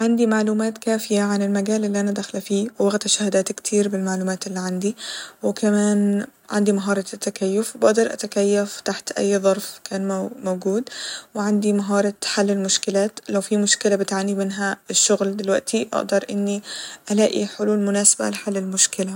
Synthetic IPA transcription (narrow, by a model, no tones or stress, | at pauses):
ʕand̪imaʕluːmaːt̪kaːfɪjaʕanɪlmaɡaːlʔɪlːiʔanad̪axlafiːwwaɣt̪aʃahad̪aːt̪kt̪ʰiːɾbɪlmaʕluːmaːt̪ʔɪlːiʕand̪iwɪkamaːnʕa̰nd̪imaɦɑːɾˤɑt̪ːakajːʊfbaʔd̪ɑɾˤʔa̰t̪akajːaft̪aħt̪ʔa̰jːðˤɑɾˤfkʰaːnmowɡuːd̪wɪʕand̪imaɦɑːɾˤɑħalːɪlmʊʃkɪlaːt̪lawfimʊʃkɪlabɪt̪ʕanːimɪnɦaɪʃːʊɣld̪ɪlwaʔt̪iʔa̰ʔd̪ɑɾˤʔɪnːiʔalaːʔiħʊluːlmʊnaːsḁba̰lɪħalːɪlmʊʃkɪla